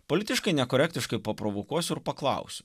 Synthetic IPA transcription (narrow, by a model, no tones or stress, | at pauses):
poɔlʲɪt̪ʲɪʃkɐɪnʲɛkɔɾʲɛæk̚ʲt̪ʲɪʃkɐɪpɐpɾoʋokuɔsʲʊɪɾpɐklˠɑ̰ˑʊsʲʊ̥